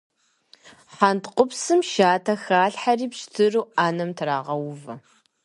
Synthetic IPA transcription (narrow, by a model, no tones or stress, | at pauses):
ħantqʷʼʊpsɨmʃaːtʰɐxaːɬħariːpʃtʰɨruːʔaːnɐmtʰraːʁɐwvɐ